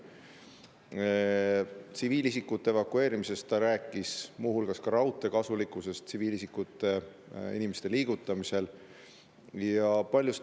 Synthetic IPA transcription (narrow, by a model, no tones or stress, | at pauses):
t̪siviːlisikːˑut̪ːˑeevɑkːue̞ːɾimise̞st̪ːɑɾæːkːˑismuːhulɡ̥ɑskɑɾɑwt̪ːˑe̞kɑsulikːˑuse̞st̪siviːlisikːut̪ːˑe̞ | ḭnime̞st̪e̞liːɡ̥ut̪ːˑɑmise̞l | jɑpɑlʲjust̪